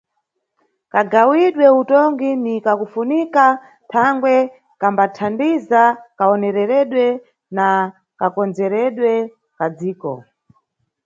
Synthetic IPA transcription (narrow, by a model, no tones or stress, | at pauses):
kaɡawiɗwɛutɔŋɡinikakufunika | tʰaŋɡwɛ | kambatʰandizakaɔnɛɾɛɾɛɗwɛ | na | kakɔnd͡zɛɾɛɗwɛ | kad͡ziːkɔ̰